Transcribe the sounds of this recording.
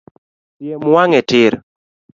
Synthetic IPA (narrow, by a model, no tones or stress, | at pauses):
pjemwaŋɛtɪɾ